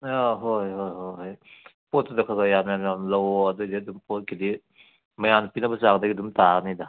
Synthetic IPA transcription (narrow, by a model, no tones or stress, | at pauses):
aɦojɦojɦojɦoj | pot̚ːudɐkʰaɡajamjamjamlɐwɐdudidumpɔt̚kili | mɐjanpinɐbɐzak̚daɡidumtanida